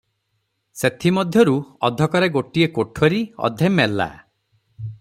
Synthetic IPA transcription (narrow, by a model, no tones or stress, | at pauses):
set̪ʰimɔd̪ʱjɔɾuɔ̰d̪ʱɔkɔɾeɡoʈiekoʈʰɔɾiɔ̰d̪ʱemelːa̰